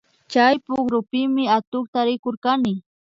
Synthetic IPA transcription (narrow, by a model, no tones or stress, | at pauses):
t͡ʃajpʊɡɾʊpɪmɪat̪ʊkt̪aɾɪkoɾkanɪ